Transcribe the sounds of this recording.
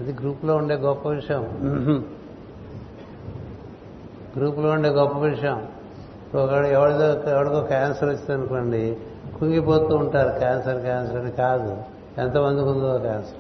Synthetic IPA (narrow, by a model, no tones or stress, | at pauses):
ɐd̪iɡɾuːploːuɳɖe̞ːɡɔpːɐʋiʂɐjɐm | ɡɾuːploːuɳɖeːɡɔpːɐʋiʂɐjɐm | pːkɐɽɛʋɐɽɐt̪oːɛʋɐɽɐkoːkaːnsɐɾut͡ʃːiɐnukoːɳɖi | kuŋɡipo̞ːt̪uːɳʈaːɾukaːnsɐɾkaːnsɐɾɐnikaːd̪u | ɛnt̪ɐmɐnd̪ikund̪uakaːnsɐɾ